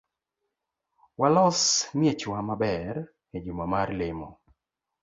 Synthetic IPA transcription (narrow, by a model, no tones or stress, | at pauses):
walɔsmɪet͡ʃwamabɛr | ed͡ʒumamarlɪmɔ